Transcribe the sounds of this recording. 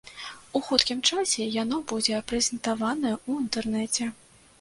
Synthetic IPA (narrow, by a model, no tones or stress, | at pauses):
uxut̪kʲimt͡ʂasʲɛjanɔbud͡zʲɛpɾɛzʲɛnt̪avanɐjɛuint̪ɛrnɛt͡sʲɛ